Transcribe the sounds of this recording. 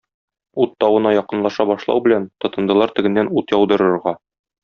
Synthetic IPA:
ut̪ːɒwɤ̆nɑjɒqɤ̆nlˠɑʃɑbɒʃlˠɑ̰wbɘ̆lænt̪ɒt̪ɤ̆nd̪ɤ̆lˠɑɾt̪ɘ̆ɡɘ̆nːænut̪jɒwd̪ɤ̆ɾɤ̆ɾʁɑ

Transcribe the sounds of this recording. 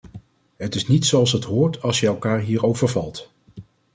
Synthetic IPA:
ɦətɪsnitsoɑlˠsɦətɦʊːɹtɑlˠsjəɛlˠkaːɹɦiːɹowvəɹvɑlˠt

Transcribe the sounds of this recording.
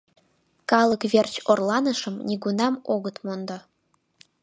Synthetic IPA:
kɑlˠəkβert͡ɕorlˠɑnəʃə̆mnʲiɡunɑmoɣət̪mond̪ɑ

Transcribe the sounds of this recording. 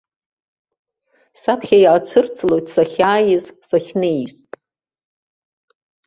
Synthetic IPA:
sapʰχʲajʕat͡ʃʷʰɨrt͡sʰʼlojtʼsaχʲaːjɪzsaχʲnɨjstʼ

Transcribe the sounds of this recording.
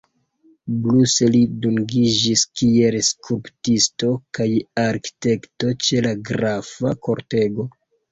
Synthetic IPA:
bluse̞liduŋɡid͡ʒiskie̞lskuɾptisto̞kajaɾki̥te̞kto̞t͡ʃe̞laɡɾafako̞ɾte̞ɡo̞

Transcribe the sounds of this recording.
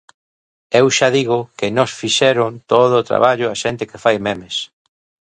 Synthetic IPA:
ewʃaðiɣʊkɪnɔsfiʃɛɾʊnt̪oðʊːt̪ɾa̰βaʎʊaʃent̪ɪkefajmemes

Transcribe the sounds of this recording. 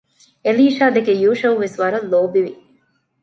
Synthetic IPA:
eliːʃaːd̪ekejuːʃɐʋuʋesʋɐɾɐlːoːbiʋi

